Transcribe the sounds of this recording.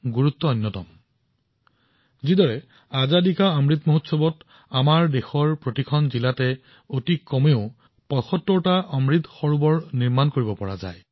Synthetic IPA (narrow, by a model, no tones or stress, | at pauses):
ɡuɹut̪ːɔɔjnːɔtɔ̰m | zidɔɹɛ | azadikaɔmɹit̪moɦutsɔbɔt | amaɹdexɔɹpɹotikʰɔnzilatɛ | otikːɔmeʊ | pɔjxɔtːɔɹtaʔɔmɹit̪xɔɹubɔɹniɹmankoɹibɔpɔɹa̰za̰j